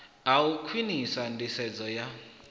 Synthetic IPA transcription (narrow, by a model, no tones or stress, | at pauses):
aukʰwinisandisɛd͡zɔja